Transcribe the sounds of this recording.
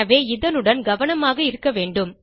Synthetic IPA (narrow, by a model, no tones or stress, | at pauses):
ɐʋeːɪðɐnɯɽɐnɡɐʋɐnɐmaːɣɐɪɾɯkːɐʋeːɳɖɯm